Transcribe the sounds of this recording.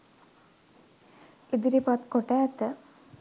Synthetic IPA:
id̪iɾipat̪koʈæːt̪ə

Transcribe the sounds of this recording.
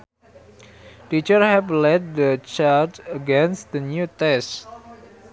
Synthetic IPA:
tit͡ʃərhɛvlɛd̚dət͡ʃatəɡɛ̃nst̪d̪ənjut̪ɛs

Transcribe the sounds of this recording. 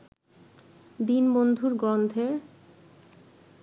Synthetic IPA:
d̪inbond̪ʱuɾɡɾond̪ʰʱeɾ

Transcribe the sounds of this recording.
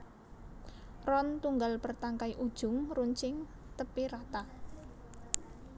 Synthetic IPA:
rɔnt̪uŋɡalpərt̪aŋkaiʔud̥ʒ̥ʊ̤ŋruɲt͡ʃɪŋ | t̪əpiɾat̪a

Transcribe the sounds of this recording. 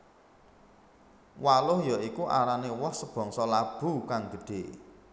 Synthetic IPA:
walʊhjɔikuʔa̰ɾanewɔhsəb̥ɔ̤ŋsɔlab̥ṳkaŋɡə̤ɖ̥e̤ʔ

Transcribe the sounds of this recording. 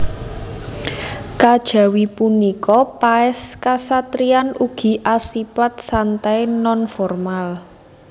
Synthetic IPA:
kad̥ʒ̥ä̤wipunikɔpaɛskasat̪ɾianuɡ̥i̤ʔasipat̪̚sant̪ajnɔnfɔrmal

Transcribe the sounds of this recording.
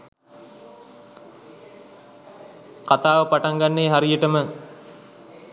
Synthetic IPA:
kat̪aːʋəpaʈaŋɡanːeːɦaɾijəʈəmə

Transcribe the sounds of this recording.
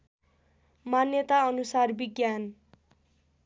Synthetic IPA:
manjʌt̪aʌnusarbiɡjan

